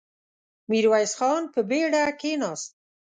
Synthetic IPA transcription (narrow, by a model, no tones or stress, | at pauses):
miɾwajsxɑnpəbeɽakenɑst̪̚